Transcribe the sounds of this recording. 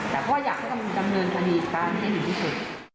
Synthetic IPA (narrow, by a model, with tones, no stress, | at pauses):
t̪ɛː˨˩kʰɔː˥˩jaː˨˩k̚ha˥˩ka˧m˧da˧mnɤː˧nka˧niː˧kaː˧nma˥˩ha˥˩ni˨˩t̪ʰiː˥˩su˨˩t̪̚